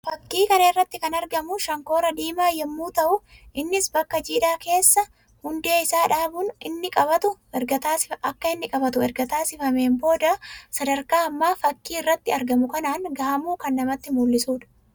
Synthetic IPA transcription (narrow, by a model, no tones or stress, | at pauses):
fɐkːiːkɐnɐɪrːɐt̪ːɪkɐnɐɾɡɐmʊʃɐŋko̞ːɾɐd̪iːmaːjɛmːuːt̪ɐʔʊʔɪnːɪsbɐkːɐd͡ʒiːᶑaːke̞ːsːɐ | hʊnd̪e̞ːɪsaːᶑaːbʊnɪnːɪkʼɐbɐt̪ʊɛɾɐt̪aːsɪɐkːɐɪnːɪkʼɐbɐt̪ʊɛɾɡɐt̪aːsɪfɐme̞ːmbo̞ːd̪ɐsɐd̪ɐɾkaːɐmːaːfɐkːiːɪrːɐt̪ːɪɐɾɡɐmʊkɐnaːŋɡɐhɐmuːkɐnːɐmɐt̪ːɪmulːɪsuːᶑɐ̥